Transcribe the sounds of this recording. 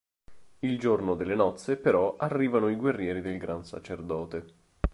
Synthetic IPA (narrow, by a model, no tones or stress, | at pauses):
ild͡ʒornod̪elːenɔt̪sːepeɾɔarːiːvanoiɡwerːjɛːɾid̪elɡɾansa̰t͡ʃerd̪ɔːt̪e